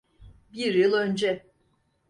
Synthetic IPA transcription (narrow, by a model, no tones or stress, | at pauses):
biɾjɯlˠø̞nd͡ʒɛ